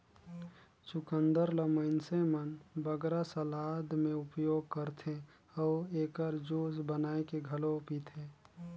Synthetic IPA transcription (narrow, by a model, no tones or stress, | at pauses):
t͡ʃʊkənd̪əɾləməɪnsemənbəɡɾasəlaːd̪ʱmẽʊpjoːɡ̚kəɾt̪ʰe | ɔːeːkəɾd͡ʒoːsbənaːekeɡʱəlopit̪ʰeː